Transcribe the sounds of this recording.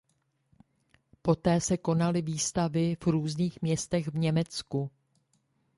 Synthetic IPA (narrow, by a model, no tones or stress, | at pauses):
po̞t̪ɛːsɛko̞nalɪviːst̪avɪvɾuːzniːxmɲɛst̪ɛɣvɲɛmɛt͡sku